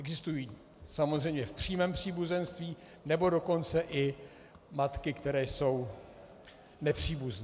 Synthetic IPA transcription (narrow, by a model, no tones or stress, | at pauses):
ɛɡzɪst̪ujiː | samozrɛjmɲɛfpr̝̥iːmɛːmpr̝̥iːbuzɛnst̪viː | nɛbo̞do̞ko̞nt͡sɛʔɪ | mat̪kɪkt̪ɛɾɛːjso̞w | nɛpr̝̥iːbuznɛ